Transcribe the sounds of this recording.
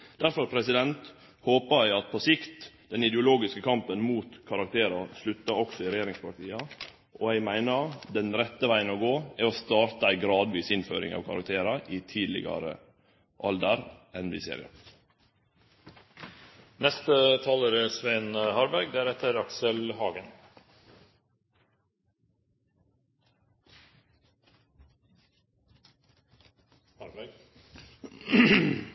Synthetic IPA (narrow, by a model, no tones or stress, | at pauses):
d̪̥æɾfɔɾpʰɾɛsɪd̪ɛnt̪ | hoːpəæɪɑt̪̚pʰɔsɪkt̪ | d̪ɛnɪd̪ɛʊloːɡɪskəkʰɑmpənmuːt̪kʰɑɾɑkt̪ʰeːɾɑslʉt̪ːɑɾɔksɔɪɾɛjeːɾɪŋspɑʈ̪ʰiːɑ | ʔɔhæɪmæɪnəɾd̪ɛnɾɛt̪ːəʋæɪənɔɡoːæɔst̪ɑːɾt̪əæɪɡɾɑːd̪ʋiːsɪnfø̰ːɾɪ̰ŋɑ̰ːʋkʰɑɾɑ̰k̚t̪ʰeːɾɑʔɪt̪ʰiːd̪lɪ̰ɡɑ̰ɾə̰ | ʔɑld̪əɾɛnbḭːsḛːɾɪ̰ɑ̰ | nɛst̪ət̪ʰɑːləːɾəsʋæɪnəhɑːɾbæɾɡ̚d̪æɾɛt̪ʰəɾɑksəlhɑːɡən